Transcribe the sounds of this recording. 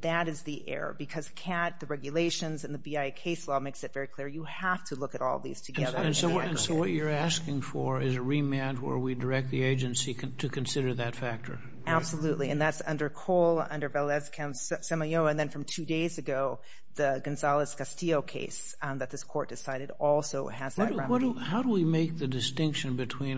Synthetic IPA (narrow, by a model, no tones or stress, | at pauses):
ðɨɾɨzðiʔɛ̰ɹə̰˞bɨkʰʌz̥kʰæt̪̚ðɨɹɛɡjɨleɪʃɨ̃nzɨ̃nðɨbiaɪkʰeɪslɔmeɪksɨtv̥ɛɹikʰl̥ɪɹjɨhæftʰəlʊkɨɾɔ̰lˠʌ̰ðḭz̥tʰɨɛðə˞ɨ̃nsoʊ̃soʊwʌt͡ʃə˞æskɪ̃ŋfə˞ɪzɨɹimæ̃nt̚wə̰˞widə˞ɛk̚t̪̚ðieɪd͡ʒɨ̃nsiɾɨkʰɨ̃nsɪɾə˞ðɨtfæk̚tʰə̰˞ | æb̥səlʉʔliɨ̰̃nðætsʌ̃ndə˞kʰoʊlˠʌ̰̃ndə˞vɛlˠɛzkʰɨ̃mssɛməjoʊɨ̃nðɨ̃nfɹʌ̃mtʰʉdeɪzɨɡoʊ | ðɨɡɨ̃nzɑlˠəz̥kʰɨstioʊkʰḛɪs | ðɨt̪̚ðɪskʰɔɹt̚d̥ɨsaɪɾɨɾɔlˠsoʊɨzðʌ̃wʌhaʊɾəwimeɪk̚ðɨdɨstɪ̃ŋkʃɨ̃nbɨtʰw̥ĩn